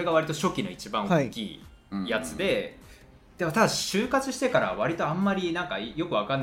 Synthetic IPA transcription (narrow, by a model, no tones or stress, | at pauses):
ɾe̞ɡaβ̞aɾʲit̪o̞ɕo̞kʲino̞̰it͡ɕibãŋ̃kʲḭː | jat͡sɨd̪e̞ | d̪̥emot̪ad̪aɕɨːkat͡sɨɕi̥t̪e̞kaɾa̰βaɾʲit̪o̞ãmːaɾʲinãŋkajo̞kɯ̟βakanː